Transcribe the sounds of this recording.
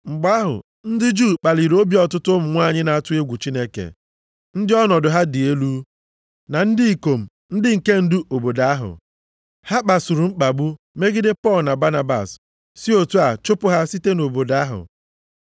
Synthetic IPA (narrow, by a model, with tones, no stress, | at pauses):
ŋ͡m̩˨ɡ͡ba˦ɦʊ̰˨ | n̩˦dɪ˦d͡ʒuː˦˨k͡pa˨li˨ɾo˦bi˦ɔ˨tʊ˦tʊ˦m̩˨ŋʷa˦˨ɲɪ˦na˨a˦˨tʊ˦e˦ɡʷu˨t͡ʃi˦ne˦kḛ˨ | n̩˦dɪ˦ɔ˦nɔ˨dʊ˨ɦa˦dɪ˨e˦lu˦ | na˨n̩˦dɪ˦i˨ko˨m̩˨ | n̩˦dɪ˦ŋ̩˨ke˦n̩˦dʊ˦o˨bo˨da˨˦a˦ɦʊ̰˨ | ha˦k͡pa˨sʊ˨ɾʊ˨ŋ͡m̩˦k͡pa˨ɡ͡bu˦ | me˦ɡɪ˦dɪ˦pɔ˦˨lna˨ba˦na˦ba̰˨s | si˦o˨tu˦a˨t͡ʃʊ˦pʊ˦ɦa˦si˦te˦no˨bo˨da˦ɦʊ̰˨